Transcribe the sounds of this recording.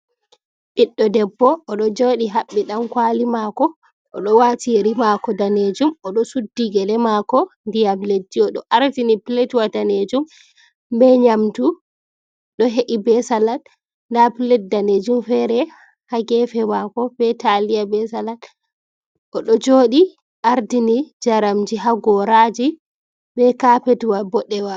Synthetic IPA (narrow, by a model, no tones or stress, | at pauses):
ɓiɗːɔdɛbːɔʔːɗɔd͡ʒoɗiɦaɓːiɗamkwaːlimakɔ | ʔːɗɔwatiɾimakɔdaned͡ʒumɔɗɔsudːiɡɛlɛmakɔndijamledːiɔɗɔ̰ʔaɾtinipiletwataned͡ʒum | bɛɲamtu | ɗɔɦeʔibɛsalan | ndapilɛt̚daned͡ʒumfɛɾɛ | haɡɛfɛmakɔbɛtalijabɛsalat | ʔɔɗɔd͡ʒoːɗi | ʔaɾdinid͡ʒaɾamd͡ʒiɦaɡɔɾad͡ʒi | bɛkapetwabɔɗɛwa